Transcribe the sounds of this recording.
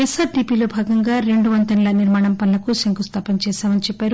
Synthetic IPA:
esaːɾɖiːpiːlo̞ːbʱaːɡɐŋɡaːɾe̞ɳɖuʋɐnt̪ɐnilɐniɾmaːɳɐmpɐnlɐkusɐŋkust̪ʰaːpɐnt͡ʃɛːsaːmɐnit͡ʃɛpːaːɾu

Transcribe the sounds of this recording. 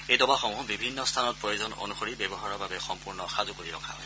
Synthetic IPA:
ejdɔbaxɔŋʊ̃bibʱinːɔst̪ʰanɔt̚pɹojozɔno̰nuxoɹibɛbɔɦaɹɔɹbabɛxɔmpuɹnɔxazukoɹiɹɔ̰kʰa̰ɦɔj

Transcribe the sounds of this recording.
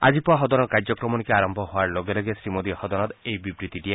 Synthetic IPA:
a̰d͡ʒipɔaɦɔd̪ɔnɔkaɾd͡ʒɔkɾɔmɔnikeaɾɔmbʱɔɦoaɾloɡelɔɡesɾimod̪ihɔd̪ɔnɔt̪ejbibɾit̪iʈie

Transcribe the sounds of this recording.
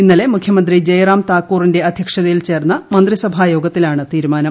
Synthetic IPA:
inːɐle̞mukʰjɐmɐnd̪rid͡ʑejraːmt̪aːkːuːrinde̞ɐd̪ʱjɐkʂɐðɐjilt͡ɕe̞ːrnːɐmɐnd̪risɐbʱaːjo̞ːɡɐt̪ːilaːɳɨt̪iːɾumaːnɐm

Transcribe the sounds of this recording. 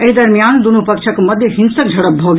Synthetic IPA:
eɦd̪ɐɾmijaːnd̪unupɐkʃʰəkmɐd̪ʱjəɦɪnsək̚d͡ʒʱɐɽəpb̚bʱoːɡ

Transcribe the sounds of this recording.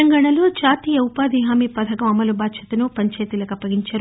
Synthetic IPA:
ɐŋɡaːɳɐloːd͡ʒaːt̪iːjɐupaːd̪iɦaːmipɐd̪ʰʱɐkɐmɐmɐlubaːd̪ʃɐt̪ɐnupɐɲt͡ʃɐːt̪ilɐkɐpːɐɡiɲt͡ʃɐɾu

